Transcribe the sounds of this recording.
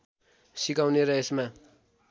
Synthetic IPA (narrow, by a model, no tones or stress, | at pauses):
sikawneɾʌesma